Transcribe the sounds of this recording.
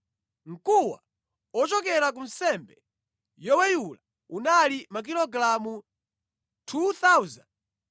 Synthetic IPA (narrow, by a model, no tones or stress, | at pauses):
ŋ̩kuwa̰ | ɔt͡ʃɔk̬ɛɾak̬un̩sɛmbɛ | jɔwɛjula | unalimak̬ilɔɡlamu | tʰuθauzand